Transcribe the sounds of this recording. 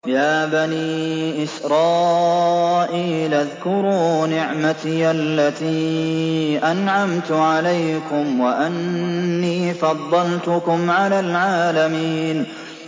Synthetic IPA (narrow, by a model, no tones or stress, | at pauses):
jaːbaniːʔɪsɾˤɑː | ʔiːlʔaðkʊɾuːnɪʕmat̪iːʔalːat̪iː | ʔanʕamt̪ʊʕalajkʊmwaʔanːiːfɑd̪ˤːɑlt̪ʊkʊmʕalaːlʕaːlamiːn